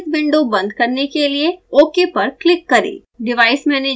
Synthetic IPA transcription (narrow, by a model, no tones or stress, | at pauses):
t̪bɪ̃ɳɖõbɐ̃nd̪kɐɾnekelieoːkepɐɾklɪkːɐɾḛː | ɖɪʋaːɪsmɛ̃ːne